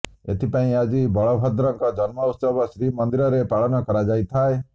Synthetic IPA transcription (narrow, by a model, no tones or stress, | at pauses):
ḛt̪ʰipaĩad͡ʒibɔɭɔbʱɔd̪ɾɔŋkɔd͡ʒɔnmɔut̪sɔbɔsɾimɔnd̪iɾɔɾepaɭɔnɔkɔɾad͡ʒajt̪ʰae